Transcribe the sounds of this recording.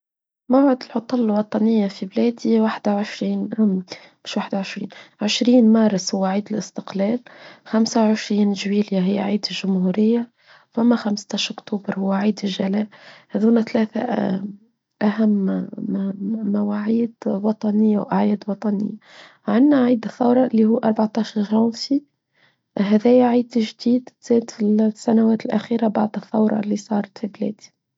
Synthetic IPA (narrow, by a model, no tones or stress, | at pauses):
mawʕɪd̪ɪlʕʊt̪ˤɑlːlwɑt̪ˤɑnɪjːafiblæːd̪iwaħd̪awʕɪʃɾiːnm | mɪʃwaːħd̪aʕɪʃɾḭːnʕɪʃɾiːnmɑːɾˤɪshʊwːaʕiːd̪ɪlɪst̪ɪqlæːlxamsawʕɪʃɾiːnʒwiːljaɦɪjːaʕiːd̪ɪlʒʊmhuːɾɪjːa | famːaxamst̪aʃʔʊkt̪uːbɪɾhʊwːaʕiːd̪ɪlʒalæːhæðuːnat̪læːθa̰ | ʔæɦæmː | mæwaʕiːd̪wɑt̪ˤɑnɪjːawʔaʕjɛːd̪wɑt̪ˤɑnɪ̰jːa | ʕanːaʕiːd̪ɪθːɑwɾˤɑʔɪlːihuːʔɑɾˤbaʕt̪ɑːʃɑɾˤʒɑnsi | ɦæðɛːjʕiːd̪ʒd̪iːd̪t̪z̥æːd̪fisːænæwæːt̪ɪlʔæxiːɾabaʕd̪ɪθːɑwɾˤɑ̰lːisˤɑːɾˤɑt̪fiblɛ̰ːd̪i̥